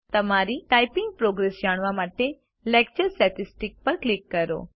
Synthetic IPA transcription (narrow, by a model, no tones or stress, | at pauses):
t̪ɐmaɾiʈaːjpɪ̃ŋɡ̚pɾoːɡɾesd͡ʒaːɽ̃ʋamaːʈe | lɛːk̚t͡ʃəɾsʈɛːʈɪsʈɪk̚pɐɾklɪkːɐɾo̰ː